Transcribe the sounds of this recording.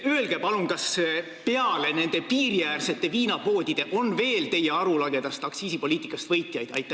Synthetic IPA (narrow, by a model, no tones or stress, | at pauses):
øelɡ̥epɑluŋkɑs | pe̞ɑle̞ne̞nd̪̥e̞piːrjæːrse̞t̪ːˑe̞viːnɑpo̞ːd̪̥ʲid̪̥e̞ʔo̞nve̞ːlt̪e̞je̞ɑɾulɑɡe̞d̪̥ɑst̪ɑksiːsipo̞liːt̪ːˑikːˑɑst̪vɤjt̪ˑjɑjd̪̥ɑ̰jt̪ːˑɑ